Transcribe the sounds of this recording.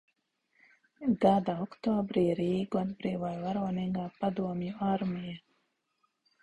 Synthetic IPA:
ɡad̪aɔkt̪oːbɾiɾiːɡuɔd̪bɾiːʋajvaɾoːniŋɡaːpad̪uɔmjuaɾmija

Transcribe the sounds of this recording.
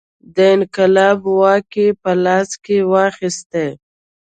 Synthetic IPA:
d̪əɪnqɪlɑbwɑkepəlɑskewɑxɪst̪e

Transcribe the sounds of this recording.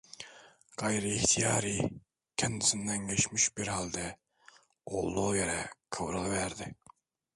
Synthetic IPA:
qɑjɾɨiht̪ʰijɑːɾi | kʲʰɛnsɨnd̪ɛnɡʲet͡ʃmiʃbɪɾhɑlˠd̪ɛ | o̰lˠːujɛɾɛkʰəwɾəlˠvæɾd̪ɪ

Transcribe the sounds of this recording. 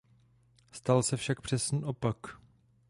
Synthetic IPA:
st̪alsɛfʃak̚pr̝̥ɛsniːʔo̞pak

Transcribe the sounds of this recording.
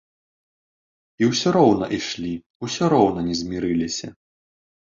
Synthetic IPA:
iwsʲɔɾɔwnɐʔiʂlʲi | usʲɔɾɔwnɐnʲɛzʲmʲiɾɨlʲisʲɐ

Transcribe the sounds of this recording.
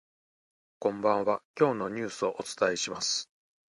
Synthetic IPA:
kõ̞mbãɰ̃βakʲo̞ːno̞ɲ̟ɨːsɨo̞ʔot͡sɨ̥t̪aiɕimasɨ̥

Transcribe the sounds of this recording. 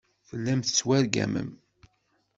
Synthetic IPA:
θəlːæmθə̥t͡sːwæɾɡæ̰mə̰m

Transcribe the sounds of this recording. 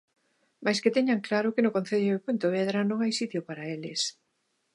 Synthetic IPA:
majsket̪ɛɲaŋklaɾʊkenʊkon̟θeðoepunt̪oβ̞eðɾanõŋajsit̪jopaɾaelɪs

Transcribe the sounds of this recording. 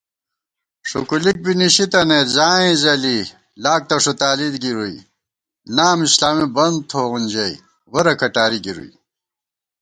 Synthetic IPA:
ʂṵkulik̚biniɕit̪ɐnezaːĩzɐli | laːk̚t̪ɐʂut̪aːlid̪ɡiɾui | naːmislaːmibɐnd̪̚t̪ʰoːʁunʲd͡ʑɐj | ʁoɾɐkʰɐʈaːɾiɡiɾṵj

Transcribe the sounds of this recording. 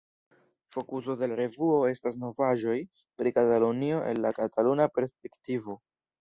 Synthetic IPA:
fo̞kus̬o̞de̞laɾe̞vuo̞e̞stas̬no̞vaʒo̞j | pɾikatalonio̞ʔe̞̰nlakatalunape̞ɾsp̚e̞ktivo̞

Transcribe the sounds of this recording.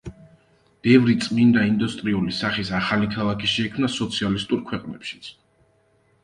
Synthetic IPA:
b̥ɛvɾit̪sʼmind̪aind̪ust̪ʼɾiulisaχisaχalikʰalˠakʰiʃɛikʰmnasɔt̪sʰialist̪ʼuɾkʰwɛqʼnɛ̰pʃi̥t̪sʰ

